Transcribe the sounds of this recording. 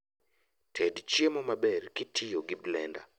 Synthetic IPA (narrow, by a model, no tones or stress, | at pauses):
tʰɛdt͡ʃjemɔmabɛrkɪtʰɪjoɡɪblɛnda̰